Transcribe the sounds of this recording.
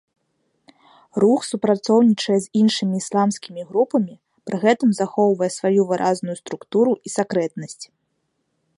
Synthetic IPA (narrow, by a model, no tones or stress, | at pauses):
ruxsupɾat̪sɔwnʲit͡ʂɐjɛzʲinʂɨmʲiːslˠamskʲimʲiɣɾupɐmʲi | pɾɨɣɛt̪ɨmzaxɔwvɐjɛsvajuvɨɾʔaznujust̪ɾukt̪uɾuʔisakɾɛt̪nɐsʲt͡sʲ